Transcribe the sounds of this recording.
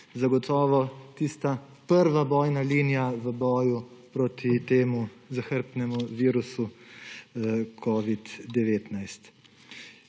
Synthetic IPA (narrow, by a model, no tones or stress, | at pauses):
zaɡɔt̪ʰɔːʋɔt̪iːst̪a | pəɾʋabɔːjnaliːnijaʋəbɔːjupɾɔt̪it̪eːmuzaxəɾpnɛmuʋiːɾusu | kʰɔːʋid̪d̪ɛʋeːt̪najst̪